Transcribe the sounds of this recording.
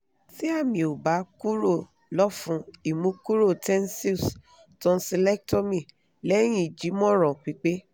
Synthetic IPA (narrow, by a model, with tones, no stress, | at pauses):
ti˦a˦˨mĩ˨o˨ba˨˦ku˦ɾo˦˨ | lɔ˦fũ˧˦i˨mũ˨˦ku˦ɾo˦˨tɛ̃˦n˦si˦˨s | tɔ̃˧˦si˧lɛ˦k̚tɔ˦˨mĩ˨ | lɛ˦j̃ĩ˦˨d͡ʒi˨˦mɔ̃˦ɾɔ̃˨k͡pi˨˧˦k͡pe˦